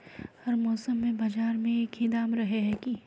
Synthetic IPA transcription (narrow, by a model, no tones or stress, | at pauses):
hɐɾmɔːsəmːẽbɐd͡ʒaːɾmẽeːkʰɪd̪aːmɾɐɦeɦɛːki